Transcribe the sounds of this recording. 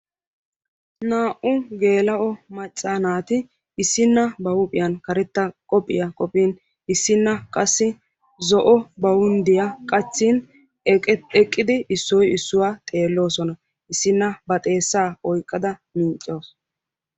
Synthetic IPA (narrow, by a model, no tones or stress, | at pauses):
naːʔʊɡe̞ːlɐʔɔmɐt͡ʃʼːaːnaːt̪ɪ | ɪsːɪnːɐbɐwʊpʼɪjɐnkɐɾɛt̪ːɐkʼɔpʼːɪjɐkʼɔpʼiːn | ɪsːɪnːɐkʼɐsːɪ | zɔʔɔbɐwʊnd̪ɪjɐkʼɐt͡sːin | ɛkʼːɪd̪ɪʔɪsːɔjɪsːʊwaːt̪ʼe̞ːlːo̞ːsɔnɐ | ʔɪsːɪnːɐbɐt̪ʼe̞ːsːaːɔjkʼːɐd̪ɐmiːt͡ʃʼːoːs